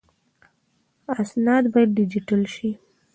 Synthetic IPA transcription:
asnɑd̪bɑjad̪̚ɖɪd͡ʒiʈalʃi

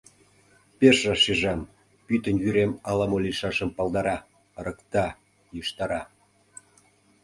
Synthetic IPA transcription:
peʃrɑʃiʒɑm | pyt̪ə̆nvyɾemɑlɑmolʲiʃɑʃə̆mpɑlˠd̪ɑɾɑ | ɾəkt̪ɑ | jəʃt̪ɑɾɑ

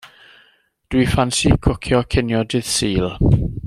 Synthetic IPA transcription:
d̥wifansikʰʊkʰjɔkʰɪnjɔdɪðsiːlˠ

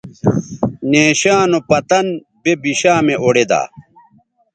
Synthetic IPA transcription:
neːɕaːnopɐt̪ɐn | bebiɕaːmeʔoɽed̪a̰ː

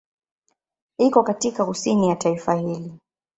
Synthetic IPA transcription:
ikɔkatikakusinijataifahili

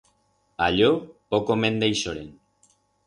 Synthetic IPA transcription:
aʎopokomẽnd̪ejʃoɾḛn

